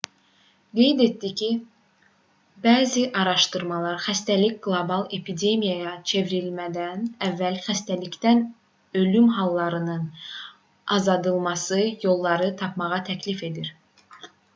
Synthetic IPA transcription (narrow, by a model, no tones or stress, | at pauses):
ɡe̞jd̪e̞t̪d̪icʰi | bæːziʔɑɾɑʃt̪ɯɾmɑlˠɑɾxæst̪ælicʲɡlˠobɑlˠe̞pʰid̪e̞mijɑjɑt͡ʃʰe̞viɾilmæd̪ænævːælχæst̪ælict̪æn | ø̞lymɦɑlˠːɑɾɯnɯn | ɑzɑd̪ɯlˠmɑsɯjo̞lˠːɑɾɯt̪ʰɑpmɑʁɑt̪ʰæcʰlife̞d̪iɾ